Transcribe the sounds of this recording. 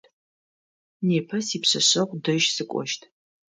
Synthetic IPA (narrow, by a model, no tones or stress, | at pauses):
neːpʰɐsiːpɕɐɕɐʁʷdɨʒsɨkʷʼɔ̰ʃtʰ